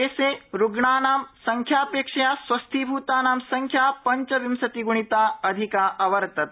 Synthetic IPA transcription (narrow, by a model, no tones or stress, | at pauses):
eːseːɾuɡɳaːnaːmsɐŋkʰjaːpeːkʂɐjaːsʋɐst̪ʰibʱuːt̪aːnaːmsɐŋkʰjaːpɐɲt͡ʃɐʋimsɐt̪iɡuɳ̃it̪aːɐd̪ʱikaːʔɐʋɐɾt̪ɐt̪